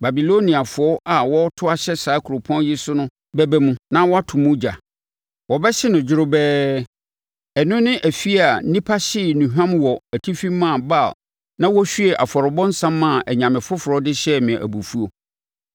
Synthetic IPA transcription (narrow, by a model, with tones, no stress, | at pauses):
ba˨bi˨lo˦nĩ˨a˨fʊ˨ɔ˦ʔa˨wɔ˦tʰʊ˦a˦ɕɛ˦saː˨˦kʰu˨ɾo˨pʰɔ̃˦njɪ˦sʊ˦nʊ̃˦ | bɛ˦bɛ˦mũ˦nã˦wɔ˦a˦tʰʊ̃˨mũ˦d͡ʑa̰˨ | wɔ˨bɛ˦ɕɪ˦nʊ̃˨d͡ʑɪ˦ɾʊ˦bɛː˦ | ɛ˨nʊ̃˦nɪ̃˦ʔæ˨fi˦a˨˦nĩ˦pʰa˦ɕɪ˦˨nũ˨ɦᶣã˦mwɔ˨æ˨tʰi˦fĩ˦mːã˦˨ba˦˨l | nã˦wɔ˦ɕᶣɥe˨ʔa̰˨fɔ˨ɾɔ˨bɔ̃˦n̩˦sã˦mːã˦˨ʔɛ˨ɲã˨mɪ̃˨fʊ˦fʊ˨ɾɔ˨˦dɪ˦ɕɛ˦mɪ̃˨ʔæ̰˨bu˨fu˦o˨